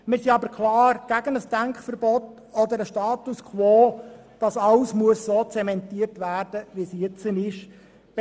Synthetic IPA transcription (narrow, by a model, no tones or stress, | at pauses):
mɪːɾsiɑbəɾkʰlɑːɾɡ̥æɡənəsd̥æŋkχfəɾbɔt | ɔd̪əɾəʃtɑːtuskχʋoː | d̥ɑsɑwsmuəsːot͡sɛmɛntiːəɾtʋæːrd̥əʋisiɪt͡sənɪʃ